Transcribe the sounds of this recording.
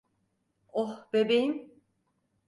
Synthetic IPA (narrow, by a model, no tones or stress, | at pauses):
ohb̥ebejim